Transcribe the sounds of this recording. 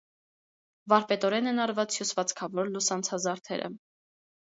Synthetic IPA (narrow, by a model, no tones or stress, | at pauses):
vɑɾpɛt̪ɔɾɛnɛnɑɾvɑt͡sjusvɑt͡skʰɑvɔɾlusɑnt͡sʰɑzɑɾt̪ʰɛ̰ɾə̰